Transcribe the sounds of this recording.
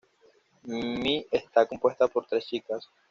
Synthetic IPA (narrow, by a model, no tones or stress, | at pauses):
miest̪ako̞mpwe̞st̪apo̞ɾt̪ɾest͡ʃikas